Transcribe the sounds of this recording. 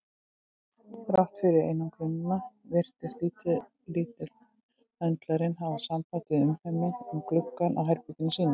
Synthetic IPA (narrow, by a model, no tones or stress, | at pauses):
fɾawht̪fɪɾɪɾḛjnamkʰɾɪnʏnavɪr̥t̪ɪst̪liːt̪ɪ | liːt̪ɪl | ɛnt̪laɾɪnɦavasampaːjt̪ɪʏmhɛmːɪʏmklʏkːanʔa̰wɦajɾpik̪ɪnasiːna